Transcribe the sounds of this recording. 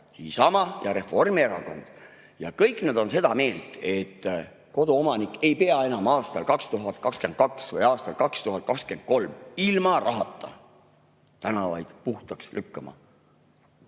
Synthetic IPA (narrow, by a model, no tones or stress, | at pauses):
isɑmɑjɑɾe̞fo̞rmieɾɑko̞̰nd̪̥ | jɑkɤjkːˑned̪̥o̞nse̞d̪ɑme̞ːlt̪ˑe̞t̪ː | ko̞d̪̥uomɑnikːˑe̞jpe̞ɑe̞nɑmɑːst̪ɑ̰lkɑkst̪uɦɑt̪̚kɑkske̞nd̪̚kɑksvɤjɑːst̪ɑlkɑkst̪uɦɑt̪̚kɑkske̞nd̪̚ko̞lmilmɑrʔɑɦɑt̪ˑːɑ̰ | t̪ænɑvɑ̰jd̪̥puht̪ɑkslykːɑmɑ̰